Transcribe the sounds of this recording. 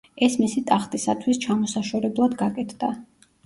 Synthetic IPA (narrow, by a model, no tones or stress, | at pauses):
ɛsmisit̪ʼaχt̪ʼisat̪ʰwist͡ʃʰamɔsaʃɔɾɛblˠad̪ɡakʼɛt̪ʰd̪̥a